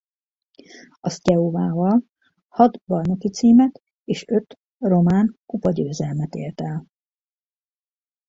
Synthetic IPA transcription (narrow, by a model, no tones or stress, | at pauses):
ɒscɛuvaːvɒl | hɒd̪bɒrno̞kit̪siːmɛt̪ | eːʃø̞t̪ | ro̞maːnkupɒɟøːzɛlmɛt̪ḛːlt̪ɛl